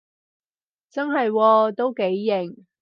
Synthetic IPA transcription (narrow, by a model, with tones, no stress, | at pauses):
t͡sɐ˥nɦɐ˨jwɔː˧t̪o˥wke˨˥jːɪ˨˩ŋ